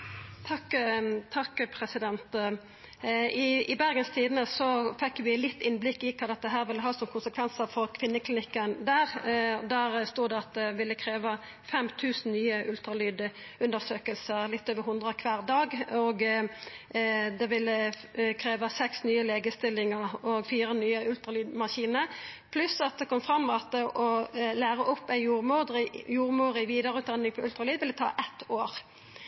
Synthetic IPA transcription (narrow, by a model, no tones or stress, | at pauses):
t̪ʰɑkt̪ʰɑkːpʰɾɛsɪd̪ɛnt̪ | ɪɪbæɾɡənst̪ʰiːd̪nəsɔfɛkːʋɪlɪt̪ːɪnblɪkːɪkʰɑːd̪ɛt̪̚ːəɦæːɾʋɪlːəɦɑːsɔmkʰʊnsəkʰʋɛnsəʁfɔʁkʰʋɪnːəklɪnɪkːənd̪æːʁd̪æːʁst̪uːd̪ɛɑt̪̚d̪ɛʋɪlːəkʰɾeːʋɑ | fɛmt̪ʰʉːsn̩nyːəʔʉlt̪ɾɑlyːd̪ | ʉnd̪əʁsøːkəlsəʁlɪt̪ːøːʋəɾhʊnd̪ʁəkʰʋæːʁd̪ɑːɡɔɡ | d̪ɛʋɪlːəkʰɾeːʋɑsɛksnyːəleːɡəst̪ɪlːɪŋəʁɔɡfiːʁənyːəʉlt̪ɾʁɑlyːd̪mɑʃiːnəʁpʰlʉsɑt̪̚d̪ɛkʰɔmfʁɑmːɛɑt̪̚d̪ɛʔɔlæːɾəʔɔpːæɪjuːʁmuːd̪ʁɪjuːʁmuːɾɪʋiːd̪əɾʉːt̪d̪ɑnɪŋfʰɔʉlt̪ʁɑlyːd̪ʋɪlɛt̪ʰɑ̰ːʔɛt̪ːoːʁ